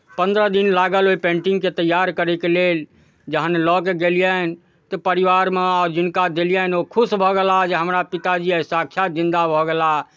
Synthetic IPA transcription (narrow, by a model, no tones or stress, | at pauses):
pə̃nd̪ɾəd̪inlaɡəloipẽɳʈɪ̃ŋɡket̪əjːaɾkəɾɛkelel | d͡ʒəɦənlɔkeɡelijən | t̪ɔpəɾiʋaɾmeɔːɾd͡ʒɪnkad̪elijanokʰʊsbʱɔɡɛlad͡ʒeɦəmɾapit̪ad͡ʒiesakʰjazĩnd̪abʱɔɡela